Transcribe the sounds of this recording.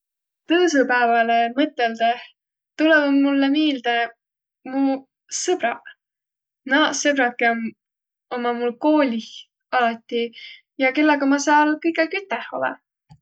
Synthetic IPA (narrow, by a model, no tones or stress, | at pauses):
t̪ɤːsupæevɑlemɤt̪ːˑeld̪̥e | t̪ulɛvmulːemeːld̪̥e | mu | sɤb̥ɾɑ | nɑsɤbɾɑkːˑem | omɑmulko̞ːlʲi | ɑlɑt̪ʲːˑi | jɑke̞lːɑɡɑmɑsɑːlkɤjɡekyt̪ːˑɛho̞̰lɛ̰